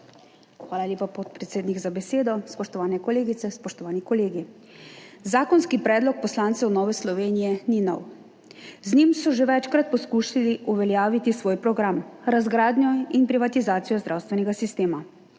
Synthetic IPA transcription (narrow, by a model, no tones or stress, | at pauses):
xʋaːlalʲjeːpapɔt̪̚pɾɛt̪seːd̪niɡzabɛseːd̪ɔspɔʃt̪ɔʋaːnɛkɔleːɡit̪sɛspɔʃt̪ɔʋaːnikɔleːɡi | zaːkɔnskipɾɛːd̪lɔk̚pɔslaːnt̪sɛwnɔːʋɛslɔʋeːnijɛninɔ̰w | znimsɔʒeʋɛt͡ʃkɾat̪̚pɔskuːʃaliuʋɛljaːʋit̪isʋoːjpɾɔɡɾamɾazɡɾaːd̪nʲjɔinpɾiʋat̪izaːt̪sijɔzd̪ɾaːwst̪ʋɛnɛɡasist̪eːma